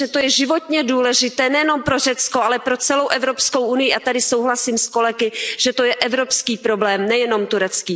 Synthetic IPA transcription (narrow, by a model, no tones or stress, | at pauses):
ʒɛt̪o̞jɛʒɪvot̪ɲɛduːlɛʒɪt̪ɛːnɛjɛno̞mpɾo̞rɛt͡sko̞ʔalɛpɾo̞t͡sɛlo̞wʔɛvɾo̞pskowʔunɪjɪʔat̪adɪsowɦlasiːmsko̞lɛɡɪʒ̥ɛt̪o̞jɛʔɛvɾo̞pskiːpɾo̞blɛːmnɛjɛno̞mt̪uɾɛt͡skiː